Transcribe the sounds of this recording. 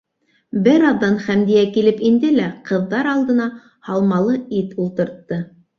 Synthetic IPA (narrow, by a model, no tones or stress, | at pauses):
bɘɾɑðːɑnχæmd̪ijækilɘpind̪ɘlæqɤ̆ðːɑɾɑlˠd̪ɤ̆nɑ | hɑlˠmɑlˠɤit̪ulˠt̪ɤ̆ɾt̪ːɤ